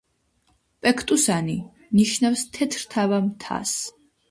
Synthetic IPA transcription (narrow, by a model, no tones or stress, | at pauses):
pʼɛkʰt̪ʼusani | niʃnafst̪ʰɛt̪ʰɾt̪ʰavamt̪ʰa̰s